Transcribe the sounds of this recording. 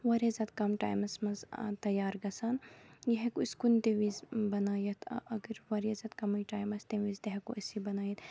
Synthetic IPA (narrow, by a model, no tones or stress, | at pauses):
ʋɐɾɐzɐt̪kɐmʈa̰ːjmɐsmɐzt̪ɐjaːɾɡɐsaːnjɐɦekuiskunt̪eʋizbɐnaːjɐt̪ʰʔɐɡəɾʋɐɾjɐzɐt̪kɐmɐjʈaːjmɐst̪eʋizt̪eɦekuɐsibɐnaːjɐt̪